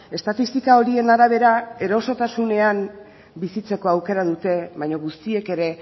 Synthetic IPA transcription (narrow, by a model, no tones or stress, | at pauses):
e̞st̪at̪ist̪ikao̞ɾie̞naɾaβ̞e̞ɾae̞ɾo̞so̞t̪asune̞am | bisit͡se̞ko̞awke̞ɾaðut̪e̞βajɲoɣust̪ie̞ke̞ɾe̞